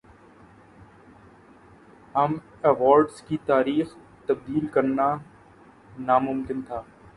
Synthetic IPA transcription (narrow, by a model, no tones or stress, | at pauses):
ɦɐm | eʋɔːɾɖskit̪aːɾiːx | t̪ɐb̚d̪iːlkəɾnaː | naːmʊmkɪnt̪ʰaː